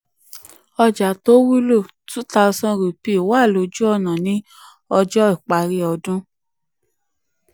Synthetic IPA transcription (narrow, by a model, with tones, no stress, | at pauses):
ɔ˧d͡ʒa˨to˦wu˦lo˦˨ | tũ˦ta˧ɔ˧sɔ̃˧ɾu˨pi˦˨wa˦˨lo˨˦d͡ʒu˦ɔ˦˧˨nã˨nĩ˦ | ɔ˧d͡ʒɔ˦i˦˨k͡pa˧ɾi˧˦ɔ˧dũ˦